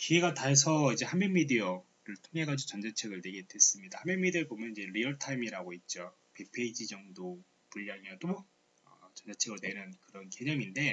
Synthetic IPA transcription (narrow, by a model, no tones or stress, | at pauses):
kiɡe̞ɡataes̬ʰʌid͡ʑe̞hamenmidiʌ | ɾɯɭtʰoŋɦe̞ɡad͡ʑot͡ɕʌnd͡ʑet͡ɕʰe̞ɡɯɭne̞ɡe̞d̥we̞s͈ɯmɲidahamenmːidiʌɭbomjʌnid͡ʑe̞ɾiʌɭtʰaimiɾaɡoit̚t͡ɕ͈o | pepʰe̞id͡ʑid͡ʑʌŋdo | puʎːamjʌt͈o | ʌt͡ɕʌnd͡ʑet͡ɕʰeɡɯɭnwenɯnkɯɾʌnke̞ɲʌŋinde̞